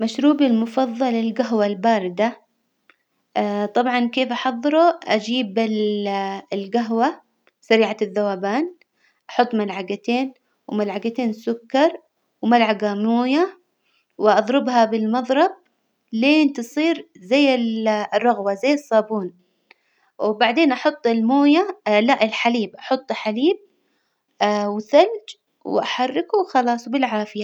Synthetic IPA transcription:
maʃɾuːbilmʊfɑðˤːɑlɪlɡaɦwalbaːɾɪd̪a | t̪ˤɑbʕɑnkeːfʔɑħɑðˤːɨɾuʔad͡ʒiːbɪl | lɡaɦwa | saɾiːʕaðːawaːbaːn | ʔɑħʊt̪ˤːmalʕaɡat̪eːn | wmalʕaɡat̪eːnsʊkːɑɾˤ | wmalʕaɡamuːja | wɪʔɑðˤɾɪbhɑbɪlmɑðˤɾˤɑb̚ | leːnt̪ɨsˤiːɾzajːɪlrˤːɑɣwazajːɨsˤːɑːbuːn | wɪbaʕd̪eːnʔɑħʊt̪ˤːɪlmoːjalaʔɪlħaliːbʔɑħʊt̪ˤːħaliːb̚ | wɪθald͡ʒ | wɪ̰ʔaħɑrˤːɪkuxɑlɑːsˤbɪlʕaːfɪja

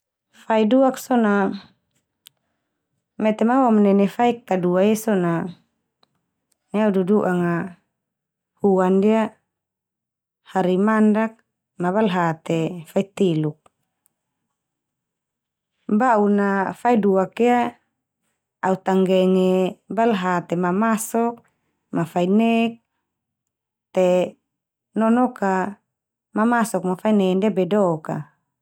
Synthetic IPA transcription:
faiduaksɔna | mɛt̪ɛmawamnɛnɛfaikːaduaɛsɔna | aududuʔaŋa | huandia | haɾimandak̚ | nabalɦat̪efait̪iluk̚ | baunafaiduakia | aut̪aŋɡɛŋɛbalɦat̪emamasɔk̚ | mafainɛk̚ | t̪e | nɔnɔka | mamasɔk̚mafainɛndabɛdɔka̰

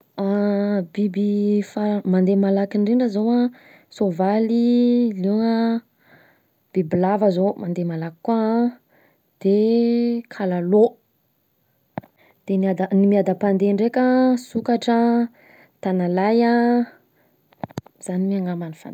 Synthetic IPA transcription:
abibifamand̪emalakiɳɖ͡ʐiɳɖ͡ʐəzowa | sovalileŋə | b̥ibilavəzomand̪emalaki̥ka | d̪̥e | kʰalalo | d̪̥enad̪animiad̪apand̪eɳɖ͡ʐekʲasukaʈ͡ʂə | t̪analaja | z̥animiaŋamanifa̰n

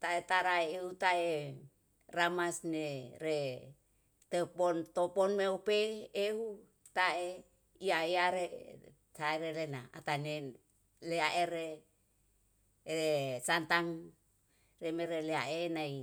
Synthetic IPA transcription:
t̪aet̪aɾaeːut̪ae | ramasneɾe | t̪epont̪oponmeopeːhu | t̪ae | iaeaɾe | taeɾelenaa̰t̪ane | leaʔeɾe | esant̪aŋ | remeɾeleaʔenai

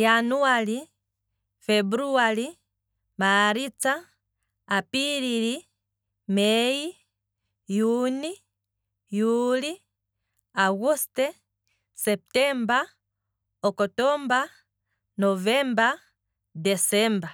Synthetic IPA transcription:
januali | fɛbuɾuali | maɾit͡saː | piɾili | mɛji | juni | juli | aɣustɛ | sɛp̚tɛmba | ɔkɔtɔmba | novɛmba | dɛsɛmba

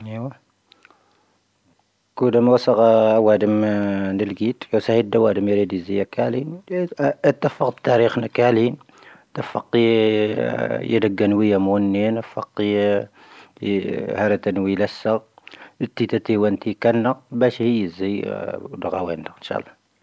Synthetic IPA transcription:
iwæ | kud̪æmwæsəɣæwæd̪əmnəlɡit̪jusæhid̪æwæd̪əmjɾid̪əzijækælin | t̪ːəfːəqt̪ːæɾixnəkælin | t̪æfːɑ̰qː | jə̰d̪əɡːænwəjæmunːinəfːɑqː | hæɾæt̪ænwilæsːəɣ | ət̪ːit̪æt̪iwænt̪ikænːəbæʃhijəzid̪ɣæwænd̪əənʃɑ̰lˤːɑ

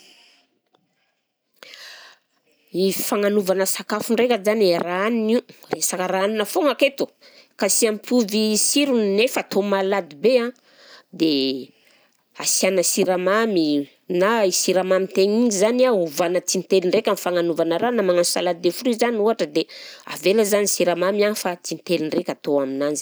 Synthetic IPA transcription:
ifaŋanuvanəsakafuɳɖ͡ʐekʲazaniraaniniresakəɾaaninəfoŋaket̪u̥ | kasiampʰuvisiɾunnefət̪ʰomalad̪ibeã | d̪e | asianəsiɾamami | naisiɾamamint̪eŋiɲizanauvanət͡sinit̪eliɳrekʲanifaŋanuvanəɾanamaŋansu̥salad̪id̪efuɾizaniuɦaʈ͡ʂəd̪ea̰veləzanisiɾamamianifat͡sint̪eliɳrekʲat̪oaminanzi

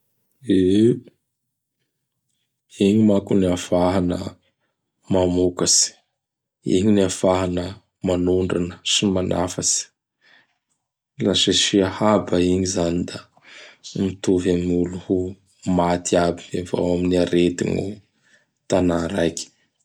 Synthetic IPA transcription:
e | iɲimakuniafaɦanə̰ | mamukasi̥ | ḭɲinafaɦanə | manuɳɖ͡ʐanəsimanʔa̰fasi̥ | lasesiahabaiɲizanid̪a | mit̪uvamuluhu | mat̪iabieva̰waminiaɾet̪ḭnṵ | t̪anaɾajkʲi̥

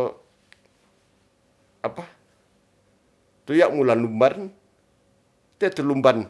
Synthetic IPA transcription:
apa | t̪ujaʔmulanumban | t̪iat̪əlumban

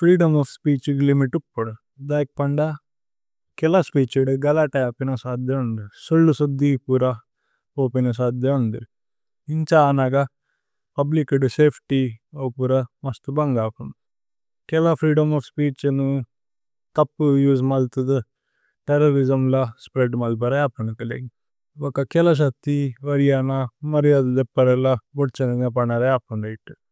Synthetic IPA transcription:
pʰɾiːɖɐmaːpʰspiːt͡ʃklimiʈupːoɽu | d̪aːjk̚pɐɳɖɐ | kɛlɐspiːt͡ʃuɖuɡɐlɐʈɐaːpinɐsaːd̪jɐund̪isuɭːusud̪ːipuɾɐ | oːpinɐs̬aːd̪jɐund̪i | iɲt͡ʃaːnaːɡɐ | pɐblikɖuseːpʰʈioːpuɾɐmɐst̪ubɐŋɡaːpunu | kɛlɐpʰɾiːɖɐmɐfʰspiːʈt͡ʃɐnu | t̪ɐpːujuːsmɐlt̪ud̪u | ʈeɾɐɾid͡ʒɐmlɐspɾeɖmɐlp̬ɐɾɐaːpːɐɳukɐleɡi | ɔkɐkɛlɐʃ̬ɐk̚t̪ːiʋɐɾijaːnɐmɐɾijad̪ɐd̪ɛpːɐɾɐlɐboʈt͡ʃɐninɐp̬ɐɳɐɾɐaːpɐɳɖɐjʈːu

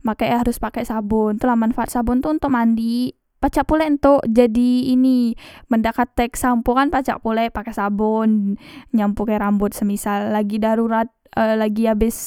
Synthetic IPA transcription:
makajɦaɾʊspakɛsabʊnt̪ulahmanfaat̪̚sabʊnt̪uunt̪ʊʔ̚mandi | pat͡ʃaʔpulɛnt̪ʊʔd͡ʒadiːniməndakat̪ːɛksampukanpat͡ʃa̰ʔpulɛpakɛsabʊnɲampukaɾambʊt̪̚səmisalːaɡidaɾuɾat̪̚əlaɡiabɪs

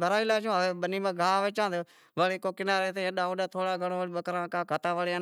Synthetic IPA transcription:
bʱəɾaːilaːt͡ʃõːʋeːɓəniːmãːɡʱaːʋeːt͡ʃãːt̪ː | ʋəɽeːkoːkɪnaːɾeːt̪eːə̃ɗaːoɗaːt̪ʰoːɽaːɡʱəɳ̃oːʋəɽiɓəkɾãːkaːkʰət̪aːʋəɽa

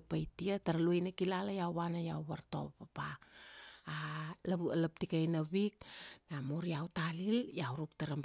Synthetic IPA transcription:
pajtiataɾaluejnakilalajawβanajawβaɾto̞̰papaː | laβualap̚tikajnaβik̚namoɾiawtaliljawɾuk̚taɾam

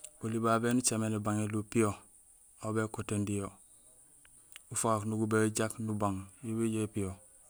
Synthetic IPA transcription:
olibaːbenut͡ʃamenebaŋelupijo | abekotendijo | ufaaknuɡubeɟaknubaŋjubiɟepijo

